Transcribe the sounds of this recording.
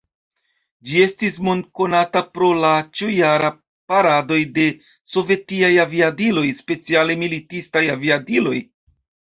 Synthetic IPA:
d͡ʒie̞stis̬mo̞nko̞natapɾo̞lat͡ʃujaɾa | paɾado̞jde̞ | so̞ve̞tiajaviadilo̞jspe̞t͡siale̞militistajaviadilo̞j

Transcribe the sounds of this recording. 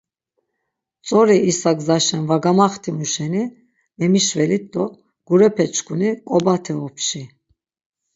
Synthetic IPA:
t͡sʼɔɾiːsaɡzaʃɛnvaɡamaχt̪ʰimuʃɛni | mɛmiʃvɛlit̪ːɔ | ɡ̥uɾɛpʰɛt͡ʃkʼunikʼɔbat̪ʰɛɔpʰʃi

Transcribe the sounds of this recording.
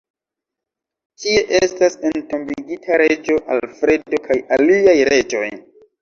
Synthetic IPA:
tie̞ʔestasento̞mbiɡitʰaɾe̞d͡ʒo̞ʔalfɾe̞do̞kʰajaliajɾe̞d͡ʒo̞j

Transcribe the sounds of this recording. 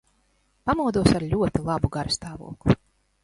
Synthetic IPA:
pamuɔd̪uɔsaɾʎʲuɔt̪ilˠabuɡaɾst̪aːvṵɔklˠu

